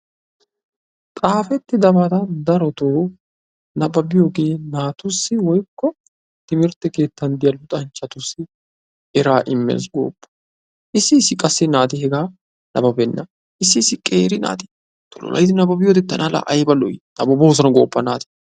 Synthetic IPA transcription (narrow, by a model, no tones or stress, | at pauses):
t̪ʼaːfɛt̪ːɪd̪ɐbat̪ɐd̪ɐɾɔt̪oː | nɐbɐbɪjoːɡe̞ːnaːt̪ʊsːɪwɔjkːɔ | t̪ɪmɪɾt̪ːɛkeːt̪ːɐnd̪ɪjɐlːʊt̪ʼɐnt͡ʃːɐt̪ʊsːɪ | ɛɾaːʔɪmːḛːsɡo̰ːpːɐ̥ | ʔɪsːɪɪsːɪkʼɐsːɪnaːt̪ɪɦɛɡaː | nʔɐ̰bɐbɛnːɐ | ʔɪsːɪːsːɪkʼeːɾɪna̰ːt̪ɪ̥ | t̪ɔlɔ̰lɐ̰jd̪ɪnɐbɐbɪjod̪ɛt̪ːɐnala̰ʔɐjbɐlɔʔɪnɐbɐbos̬ɐnɡoːpːɐnaːt̪ɪ̥